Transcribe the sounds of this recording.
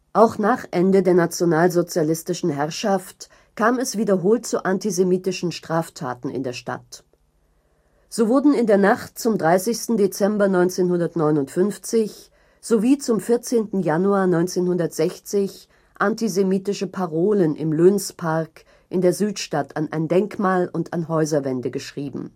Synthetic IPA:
ʔaʊxnaːχʔɛndədeːɐnat͡sjonaːlzot͡sjalɪstɪʃn̩ɦɛʁʃaft | kʰaːmɛsv̥iːdɐɦoːltt͡suʔantizemiːtɪʃn̩ʃtʁ̥aːftʰa̰ːtn̩ɪ̰ndeːɐʃta̰t | z̥oːvʊɐdn̩ɪndeːɐnaχt̚t͡sʊmdʁaɪsɪçstn̩det͡sɛmbɐnɔʏnt͡seːnhʊndɐtnɔʏnʊntfʏnft͡sɪç | z̥oviːt͡sʊmfɪɐt͡seːntn̩januaːɐnɔʏnt͡seːnhʊndɐtz̥ɛçt͡sɪç | ʔantizemiːtɪʃəpʰaʁoːlənʔɪ̰mløːnspʰaɐk | ʔɪndeːɐzyːtʃtatʰanʔa̰ɪndɛŋkmaːlʊntanɦɔʏzɐvɛndəɡəʃʁ̥iːbm̩

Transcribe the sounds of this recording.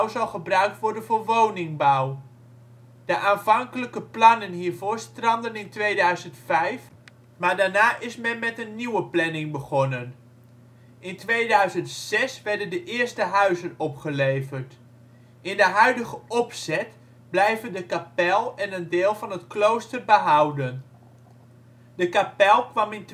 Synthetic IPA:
wzɑlˠχəbrœɥk̚tʋɔɹdənvʊɹʋownɪŋbaw | d̥əʔaːnvɑŋkələkəplɑnənɦiːɹvʊːɹstrɑndənɪntʋejdœɥzəntfɛjf | maːɹdaːɹnaːʔɪsmɛnmɛtənːiwəplɛnɪŋbəχɔnən | ɪntʋejdœɥzəntsɛsʋɛɹdəndəʔɪːɹstəɦœɥzənɔpχəlejvərt | ɪndəɦœɥdəχəʔɔpsɛt | blɛjvəndəkapɛlˠɛnəndeːlˠvɑnɦətklowstərbəɦɑwdən | dəkapɛlˠkʋɑmɪnt

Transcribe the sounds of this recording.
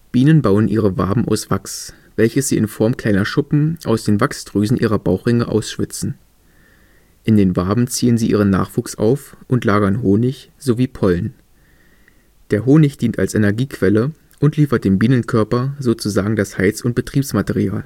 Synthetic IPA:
b̥iːnənbaʊənʔiːʁ̞əva̰ɐbm̩ʔa̰ʊsv̥aks | v̥ɛlçəsz̥iːʔɪnfɔɐmkʰl̥aɪnɐʃʊpm̩ʔa̰ʊsd̥eːnvaksd̥ʁ̥yːzn̩ʔiːʁɐba̰ʊxʁɪŋəʔa̰ʊsʃv̥ɪt͡sn̩ | ʔɪndeːnvaɐbm̩t͡siːənziːʔiːʁ̞ənːa̰ːχv̥uːksa̰ʊfʔʊntlaːɡɐnɦoːnɪç | z̥oviːpʰɔln | d̥eːɐɦoːnɪçd̥iːnta̰lsʔɛnɛɐɡiːkv̥ɛlə | ʔʊntliːfɐt̚d̥eːmbiːnənkʰœɐpɐzoːt͡suzaːɡŋ̩dashaɪt͡sʊnt̚b̥ətʁ̥iːpsmateʁia̰ːl

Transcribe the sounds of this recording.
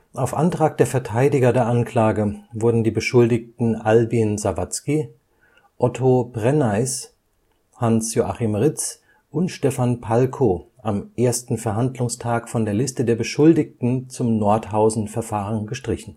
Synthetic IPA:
ʔaʊfʔantʁ̥aːk̚d̥eːɐfɛɐtʰaɪdɪɡɐdeːɐʔankl̥aːɡəvʊɐdn̩diːbəʃʊldɪk̚tn̩ʔalbinzavat͡ski | ʔɔtʰobʁɛnaɪs | hansjoʔaχimʁɪt͡s | ʔʊntʃtɛfanpʰalkʰo | ʔamʔeːɐstn̩fɛɐɦandlʊŋstʰaːkfɔndeːɐlɪstədeːɐbəʃʊldɪk̚tn̩t͡sʊmnɔɐthaʊzn̩fɛɐfaːʁənɡəʃtʁ̥ɪçn̩

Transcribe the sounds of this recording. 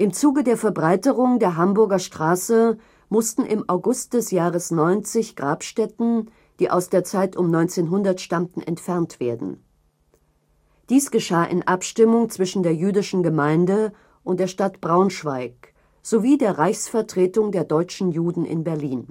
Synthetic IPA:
ʔɪmt͡suːɡədeːɐfɛɐbʁaɪtəʁʊŋdeːɐɦambʊɐɡɐʃtʁ̥aːsə | mʊstn̩ʔɪ̰mʔaʊɡʊst̚d̥ɛsjaːʁəsnɔʏnt͡sɪçɡ̥ʁaːpʃtɛtn̩ | d̥iːʔa̰ʊsd̥eːɐt͡saɪtʊmnɔʏnt͡seːnɦʊndɐtʃtamtn̩ʔɛ̰ntfɛɐntv̥eːɐdn̩ | d̥iːsɡ̥əʃaːʔɪ̰nʔapʃtɪmʊŋt͡sv̥ɪʃn̩deːɐjyːdɪʃn̩ɡəmaɪndə | ʔʊnt̚d̥eːɐʃtatb̥ʁaʊnʃv̥aɪk | z̥oviːdeːɐʁaɪçsfɛɐtʁ̥eːtʊŋdeːɐdɔʏt͡ʃn̩juːdn̩ʔɪ̰nbɛɐliːn

